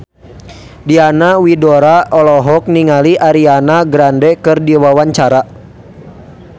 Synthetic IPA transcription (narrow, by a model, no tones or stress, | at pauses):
dianawidɔɾaɔlɔɦɔk̚niŋaliʔaɾianaɡɾandɛkɨrdiwawaɲt͡ʃaɾa